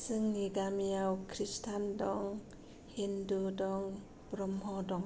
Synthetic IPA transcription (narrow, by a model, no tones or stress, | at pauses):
sɯŋniɡamijawkʰɾistʰandɔŋ | hindudɔŋ | bɾɔmɦɔdɔŋ